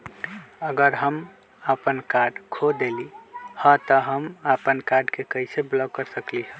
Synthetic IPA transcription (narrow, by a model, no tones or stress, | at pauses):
əɡəɾɦəm | apənkaɾɖkʰod̪elihət̪əɦəmapənkaɾɖkekəɪseblɔɡ̚kːəɾsəkliɦ